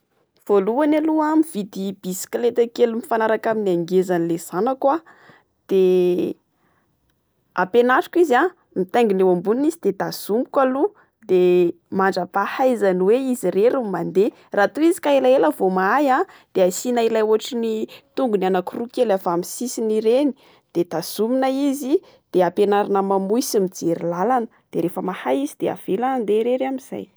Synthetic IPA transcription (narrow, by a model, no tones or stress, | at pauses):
v̥oluanaluamivid̪ib̥isi̥klet̪akelumifanaɾakaminiaŋɡezanilez̥anakwa | d̪̥e | a̰penaʈ͡ʂḁkiza | mit̪eŋɡinewambuninizid̪ed̪az̥umu̥kalu | d̪̥e | maɳɖ͡ʐəpahajzaniweizireɾumand̪e | rat̪uizi̥kailaeləvomaajã | d̪̥easinailajuaʈ͡ʂinit̪uŋɡunianakurukelavamisisiniɾeni̥ | d̪̥ed̪az̥uminaizi | d̪̥eapenaɾanəmamujsimid͡zeɾilalanə̥ | d̪̥eɾefəmahaizid̪̥ea̰v̥elaand̪eɾeɾamiz̥a̰j